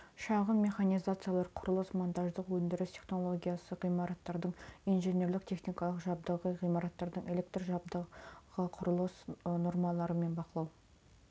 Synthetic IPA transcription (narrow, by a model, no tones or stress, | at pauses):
ʃɑʁəmme̞χanijzat̪sɨjalˠɑɾqʰʊɾʊlˠəsmant̪ɑʒd̪əqwɵnd̪ɪɾɪst̪ʲʰe̞χno̞lˠo̞ɡʲijasəʁijmɑɾɑt̪ːɑɾd̪əɴijnʒenʲe̞ɾlɪk̚t̪ʲʰe̞χnʲijkɑlˠəqʒɑb̚d̪əʁəʁijmɑɾɑt̪ːɑɾd̪əɴʔe̞le̞kt̪rʒɑbd̪əʁəqʰʊɾəlˠəsno̞ɾmɑlˠɑɾəme̞nbɑqəlˠɑw